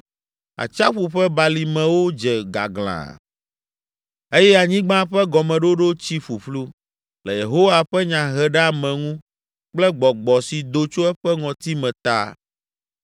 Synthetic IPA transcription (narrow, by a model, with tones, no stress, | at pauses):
a̰˨t͡ʃa˦ɸu˨ɸɛ˦ba˨li˨mɛ̃˨wo˦d͡ʒɛ˨ɡa̰˨ɡl̃ã̰˨ | e˦jɛ˦a˨ɲĩ˦ɡ͡bã˦ɸɛ˦ɡɔ˨mɛ̃˨ɖo˦ɖo˦t͡ɕi˦ɸu˨ɸlu˦ | lɛ˨je˨ɦo˦wa˨ɸɛ˦ɲã˨ɦɛ˨ɖɛ˦a˦˨mɛ̃˨ŋũ˦ | k͡plɛ˦ɡ͡bɔ˨ɡ͡bɔ˨si˨d̪o˨t͡ʃo˦ɛ˦ɸɛ˦ŋɔ̃˨t̪i˦mɛ̃˨t̪a̰˦˨